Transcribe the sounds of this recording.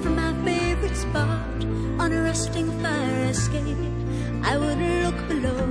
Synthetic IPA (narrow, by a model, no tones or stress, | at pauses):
fɹʌ̃maʊfeɪvɨtspɑ | ɾ | ə̃nɨɹɛstɪ̃ŋfaɪə˞ɨskeɪpp̚ | ʔaɪwʊdˡlʊkb̥ɨloʊ